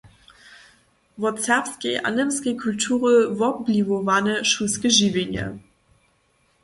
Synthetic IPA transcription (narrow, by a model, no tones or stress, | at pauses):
vɔsɛʁpskeɪʔa̰nəmskeɪkʰultʰuːʁəvɔp̚blivovanəʃuskəʒivʲenə̰